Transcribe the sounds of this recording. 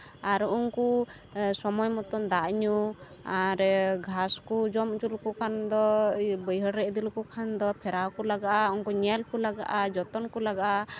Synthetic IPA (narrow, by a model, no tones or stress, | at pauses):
aɾuŋku | sɔmɔjmɔt̪ɔmd̪aʔɲu | aɾɡʱaskud͡ʒɔmd͡ʒulkukʰand̪ɔbəjɦɔɾɾɛʔd̪ilkukʰand̪ɔpʰɛɾawkulaɡaʔauŋkuɲɛlkulaɡa̰ʔad͡ʒɔt̪ɔnkulaɡaʔa